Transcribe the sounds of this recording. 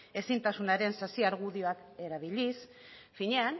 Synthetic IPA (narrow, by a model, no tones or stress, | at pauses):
e̞sint̪asunaɾe̞nsasiaɾɣuðio̞ake̞ɾaβ̞ilis | fiɲe̞an